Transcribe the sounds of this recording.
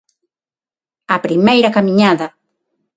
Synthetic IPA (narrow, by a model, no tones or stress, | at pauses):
ɐpɾimejɾɐkamiɲaðɐ